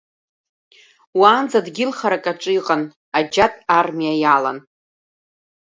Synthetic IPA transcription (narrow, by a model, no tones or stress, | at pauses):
waːnd͡zadɡʲɪlχaɾakʼaʈ͡ʂʷʼiqʼan | ad͡ʒatʼarmiajala̰n